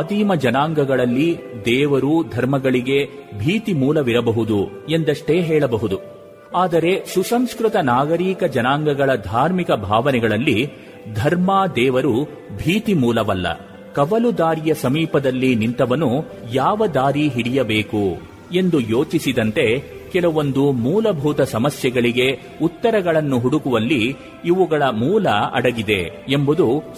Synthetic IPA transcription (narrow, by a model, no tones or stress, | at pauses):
ɐd̪iːmɐd͡ʒɐnaːŋɡɐɡɐɭɐlːid̪ɛːʋɐɾuːd̪ʱɐɾmɐɡɐɭiɡe̞bʱiːt̪imuːlɐʋiɾɐbɐɦud̪u | e̞nd̪ɐʂʈe̞ːɦɛːɭɐbɐɦud̪u | aːd̪ɐɾe̞ʃusɐmskɾut̪ɐnaːɡɐɾiːkɐd͡ʒɐnaːŋɡɐɡɐɭɐd̪ʱaːɾmikɐbʱaːʋɐnɛɡɐɭɐlːi | d̪ʱɐɾmaːd̪ɛːʋɐɾu | bʱiːt̪imuːlɐʋɐlːɐ̰ | kɐʋɐlud̪aːɾijɐsɐmiːpɐd̪ɐlːinint̪ɐʋɐnu | jaːʋɐd̪aːɾiɦiɽijɐbeːku | e̞nd̪ujo̞ːt͡ʃisid̪ɐnt̪e̞ | kɛlɐʋo̞nd̪umuːlɐbʱuːt̪ɐsɐmɐsjɛɡɐɭiɡe̞ | ut̪ːɐɾɐɡɐɭɐnːuɦuɽukuʋɐlːi | iʋuɡɐɭɐmuːlɐɐ̰ɽɐɡid̪e̞̰embud̪u